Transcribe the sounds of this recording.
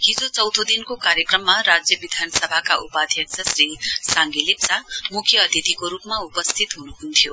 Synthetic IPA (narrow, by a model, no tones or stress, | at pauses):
ɦid͡zot͡sʌwd̪ʱod̪inkokaɾjʌkrʌmːaɾad͡zjʌbid̪ʱansʌbʱakaʔupad̪ʱjʌk̚sʰʌsrisaŋɡilipsamukʰjʌːd̪ʱid̪ʱikoɾupmaupʌst̪ʰit̪ɦunuɦunt̪ʰjo